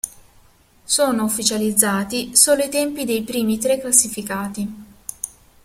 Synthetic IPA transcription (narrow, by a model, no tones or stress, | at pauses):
soːnoufːit͡ʃalid̪zːaːt̪isoːloit̪ɛmpid̪ejpɾiːmit̪ɾekːlasːifikaːt̪i